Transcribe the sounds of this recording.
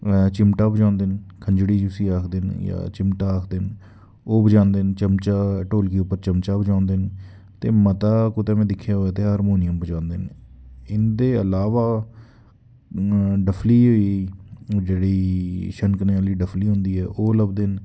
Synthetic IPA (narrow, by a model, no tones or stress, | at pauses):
t͡ʃɪmʈaːbəd͡ʒãːnd̪eːnkʰəɲd͡ʒɽiːd͡ʒʊsiːaːkʰd̪ɪnja̰ːt͡ʃɪmʈaːaːkʰd̪ɪn | oːbəd͡ʒãːnd̪ent͡ʃəmt͡ʃaːʈoːlkiːʊpːəɾt͡ʃəmt͡ʃaːbəd͡ʒãːnd̪eːn | t̪ḛːmət̪aːkʊt̪eːmẽːd̪ɪkʰːjaːɦoːaːt̪eːɦaːɾmoːnɪjəmbəd͡ʒãːnd̪enɪnd̪eːəlaːʋaː | ɖəpʰliːɦoːiː | d͡ʒeːɽiːʃənkəneːaliːɖəpʰliːɦʊ̃nd̪iːɛːʔoːləbd̪en